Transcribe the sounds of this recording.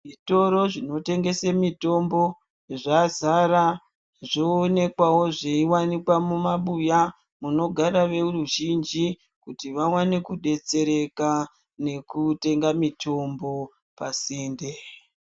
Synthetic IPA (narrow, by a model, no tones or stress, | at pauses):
ʐito̞ɾo̞ʐino̞te̞ŋɡe̞semito̞mbo̞ | ʐazaɾa | ʐo̞ːne̞kwawo̞ʐeiwanikwamumaɓuja | muno̞ɡʱaɾaʋe̞uruʒind͡ʒi | kutiʋawane̞kuɗe̞t͡se̞ɾe̞ka | ne̞kute̞ŋɡamitʰo̞mbo̞ | pasiːnde